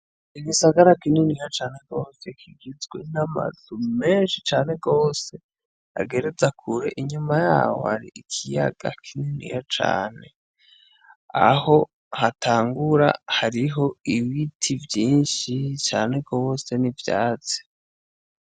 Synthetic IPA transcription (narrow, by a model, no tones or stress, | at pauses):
iɡisaɡaɾakininijat͡ʃaːne̞ɡo̞ːse̞kʰiɡizɡwenama̰z̥ume̞ːnʃit͡ʃaːne̞ɡo̞ːse̞ | a̰ɡe̞ɾezakʰuɾe̞ʔiɲumaja̰ːwo̰haɾḭʔikʰija̰ɡ̥a̰kʰininḭjat͡ʃa̰ːne̞ | a̰ho̞ | hatʰaːŋɡuɾa̰haɾiɦo̞iwitʰivjiːnʃit͡ʃaːne̞ɡo̞se̞nivjaːt͡se̥